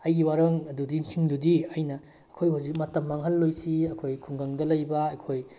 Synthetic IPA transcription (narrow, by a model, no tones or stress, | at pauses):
ɐjɡiwaɾɐŋɐdudisʰiŋdudiɐjnɐː | kʰojhuzik̚mɐtɐmːaŋɦɐlːojsiɐkʰojkʰuŋɡɐŋdɐlɐjbɐːkʰoj